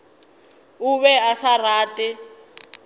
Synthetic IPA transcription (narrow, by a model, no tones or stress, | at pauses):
uβɛasaraːtʼɪ